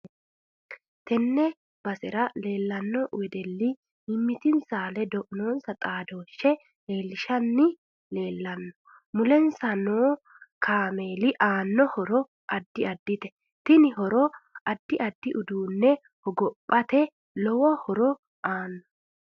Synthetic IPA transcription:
t̪ɛnːɛ | b̥ɐsɛɾɐle̞ːlːɐnːɔwɛd̪ɛlːɪ | ɪmːɪt̪ɪnsaːlɛd̪ɔʔnoːnsɐt̪ʼaːd̪o̞ːʃːɛ | le̞ːlːɪʃɐnːɪ | le̞ːlːɐnːɔ | mʊlɛnsɐnoː | kʰaːme̞ːlɪʔaːnːɔhɔɾɔ | ʔɐd̪ːɪɐd̪ːɪt̪ɛ̥ | t̪ɪnɪhɔɾɔɐd̪ːɪʔɐd̪ːɪʔʊd̪uːnːɛ | hɔɡɔpʼːɐt̪ɛ | lɔwɔhɔɾɔ | ʔaːnːɔ

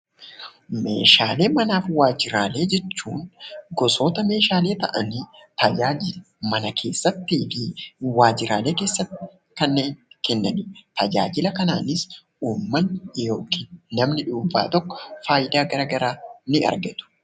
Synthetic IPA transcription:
me̞̰ːʃaːle̞ːmɐnaːfwaːd͡ʒɪɾaːle̞ːd͡ʒɛt͡ʃːṵːnɡɔsoːt̪ɐme̞ːʃaːle̞ːt̪ɐʔɐnit̪ɐd͡ʒaːd͡ʒɪl | mɐnɐkʰe̞ːsːɐt̪ːiːfɪwaːd͡ʒɪɾaːle̞ːke̞ːsːɐt̪ːɪ | kɐnːeːnkɛnːɐnɪt̪ɐd͡ʒa̰ːd͡ʒɪlɐkɐnaːnɪs | uːmːɐnːjoːkinɐmnɪᶑuːba̰ːt̪ɔkːɔ̥faːjɪd̪aːɡɐɾaɡɐɾaːnɪɐ̰ɾɡɐt̪ʊ̥

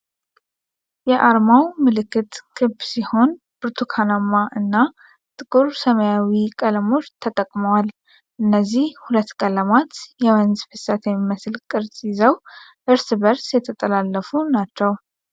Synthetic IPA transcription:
jɛʔaɾmawmɨlɨkːɨt̪ɡ̥ʰɨbsiho̞n | b̥ɨɾt̪ʰukʰanamaʔɨnːa | t̪ʼɨkʼuɾsəməjawikʼələmo̞t͡ʃːt̪ʰət̪ʼəkʼməwal | ʔɨnːəzːihhulət̪ːkʼələmat̪jɛwənzfɨsat̪jɛmːiməslkʼɨɾsʼizəw | ʔɨɾsbəɾsjɛt̪ʰət̪ʼəlalːəfunat͡ʃːɛw

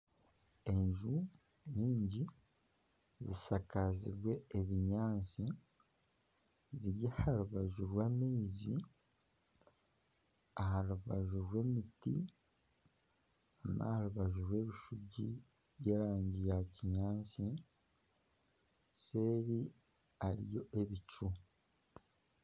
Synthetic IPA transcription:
e̞ɲʒu | ɲiːɲɟi | zisakazḭɾwe̞ːβiɲaːnsi | ziɾjahaluβaʒuɾwaːmezi | ahaluβaʒuɾwe̞ːmiti | ama̰haɾuβaʒuɾwe̞ːβiʃuɟḭ | βjeːɾaːɲɟijaciɲaːnsi | se̞ːɾi | aɾḭjo̞ʔe̞βicu

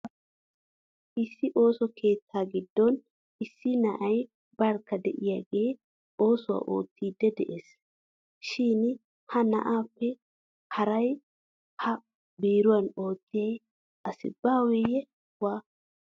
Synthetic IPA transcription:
ʔɪsːɪʔo̞ːsɔkʰe̞ːt̪ʰːaːɡɪd̪ːɔn | ɪsːɪnɐʔɐj | bɐɾkːɐd̪ɛʔɪjaːɡe̞ː | o̞ːsʊwa̰ːʔo̞ːt̪ːiːd̪ːɛd̪ɛ̰ʔes | ʃin | hɐnɐ̰ʔaːpːɛ | hɐɾɐj | hɐ | biːɾʊwɐno̞ːt̪ːɪjɐj | ɐsɪ̰bːaːwɛjɛ | waː

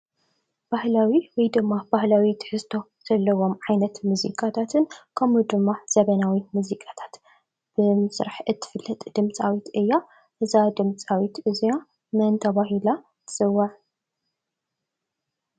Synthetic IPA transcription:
b̥ahlawiwɔjd̪ɨmːabahlawit̪ʰɨ̥ħɨzt̪ʰo̞ | z̥ɐlːɐwo̞mʕajnɐt̪muzḭkʼat̪ʰat̪ʰɨnkʰɐmud̪ɨmːaz̥ɐβɐnawimuzikʼat̪ʰḁt̪ | b̥ɨmsɨɾaħʔɨt̪ʰːɨ̥fɨlːɐt̪ʼd̪̥ɨmt͡sʼawit̪ʔɨjːa | ʔɨzad̪ɨmt͡sʼawit̪ɨzija | mɐnt̪ʰɐβaɦila | t̪ʰɨ̥sɨwːɐʕ

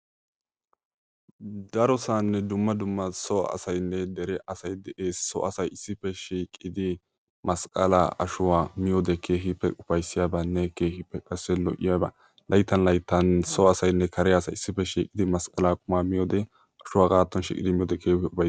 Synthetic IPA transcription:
d̪ɐɾɔsanːɛd̪ʊmːɐd̪ʊmːɐsɔɐ̰sɐjnːɛd̪ɛɾɛʔɐsɐjd̪ɛʔeːsːɔ̰ʔɐsɐjɪsːɪpːɛʃiːkʼɪd̪ɪ | mɐskʼɐla̰ɐ̰ʃʊwaːmɪjod̪ɛkʰe̞ːɦɪpːɛʔʊfɐjsːɪjaːbanːɛke̞ːhɪpːɛkʼɐsːɛlɔ̰ʔɪjaːba̰ | lʔɐjt̪ːɐnlɐjt̪ːɐnsɔɐsɐjnːɛkʰɐɾɛjasɐ̰jɪsːɪpːɛʃiːkʼːɪd̪ɪmɐskʼɐlaːkʼʊmaːmɪjɔːd̪ɛ | ʔɐʃʊwaːɡaːt̪ːɔnʃḭːkʼɪd̪ɪmɪjɔːd̪ɛkʰeːɪʊfɐ

